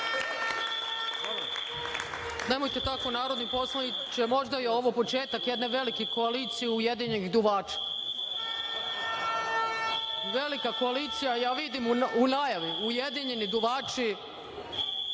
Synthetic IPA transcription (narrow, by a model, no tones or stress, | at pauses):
ne̞mo̞jt̪e̞t̪akonaːɾo̞d̪nipo̞slˠai | t͡ɕemo̞ʒd̪ajeo̞ʋopo̞t͡ʃeːt̪akjed̪ne̞ʋe̞likiko̞aliːt̪sijeujed̪iɲe̞niɣd̪uʋaːt͡ʃi̥ | ʋe̞likako̞aliːt̪sijajaːʋid̪imuunajaʋiujed̪iɲe̞nid̪uʋaːt͡ʃi